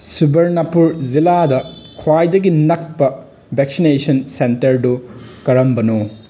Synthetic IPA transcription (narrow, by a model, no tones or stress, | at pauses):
subɐɾnɐpuɾziladɐkʰwajdɐɡinɐk̚pɐ | beksinesɐnsentɐɾdukɐɾɐmbɐno